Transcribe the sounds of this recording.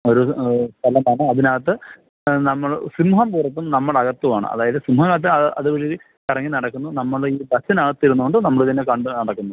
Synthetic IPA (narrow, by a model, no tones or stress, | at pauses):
o̞ɾust̪ʰɐlɐmɐnɐɐðinɐɣɐt̪̬ːɨ | nɐmːɐɭsimuɦɐmpuːrɐt̪̬ːumnɐmːɐɭɐɣɐt̪ːuʋaːɳɨ̰ɐ̰ðaːjɐðɨsimuɦɐmɐt̪̬ːɐɐʔɐðɨʋɐɻi | kɐrɐŋːinɐɽɐkːunːunɐmːɐɭiːbɐsinɐɣɐt̪ːiɾunːukoɳɖɨnɐmːɐɭt̪ɐnːekɐɳɖɨnɐɽɐkːunːu